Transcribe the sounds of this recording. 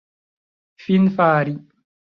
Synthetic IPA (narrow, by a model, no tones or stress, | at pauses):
finfaːɾi